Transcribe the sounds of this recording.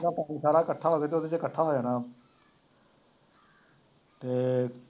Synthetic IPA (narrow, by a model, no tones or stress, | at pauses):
d̪aːpaːniːsaːɽaːkəʈʰːaːɦoːɡeːt̪eod̪et͡ʃekəʈʰːaːɦoːd͡ʒaːnãː | t̪eː